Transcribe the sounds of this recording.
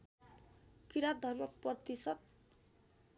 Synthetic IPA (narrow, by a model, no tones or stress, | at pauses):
kiɾad̪ʱʌrmʌk̚prʌrt̪isʌt̪̚